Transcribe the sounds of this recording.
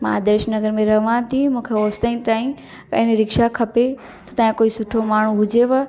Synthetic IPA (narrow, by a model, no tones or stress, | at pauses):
mã̰ːd̪eːʃnɐɡəɾmẽɾɐɦʋãt̪ʰĩmũːkʰeoːst̪əĩt̪aːĩ | kɐɪ̃nɾɪkʃakʰɐpe | t̪ɐt̪ãːĩkoːisʊʈʰomaːɳ̤uɦʊd͡ʑeʋɐ